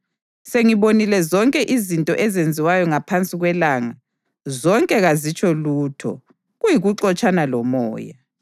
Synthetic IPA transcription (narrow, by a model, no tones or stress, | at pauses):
seŋiβonilɛzɔŋkʼɛʔizintʼɔ̰ʔɛzend͡zʱiwajɔŋapʰant͡sʼiɣwɛlaːŋa | zɔŋkʼɛɣazit͡ʃʼɔlutʰɔ̰ | ɣujiɣuǁɔt͡ʃʼanalɔmɔ̰ːja